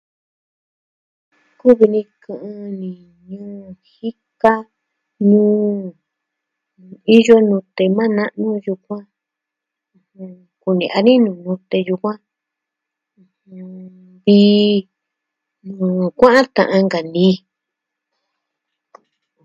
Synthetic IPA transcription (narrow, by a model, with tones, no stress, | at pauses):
ku˦βi˧nĩ˧kʰɨ̃˧ʔɨ̃˧nĩ˨ | ɲũː˦hi˦ka˦ | nũː˦ | i˦jo˦nũ˧t̪e˧mã˦nã˦ʔnũ˦ju˧kʷã˦˧ | h | ku˨nḭ̃˨ʔa˧nĩ˦nũː˨nũ˧t̪e˧ju˧kʷã˦˧ | hũ˧ | βi˦ | nũː˨˧˨kʷã˦ʔã˦t̪ã̰˨ʔã˧ŋɡa˨nĩ˧˨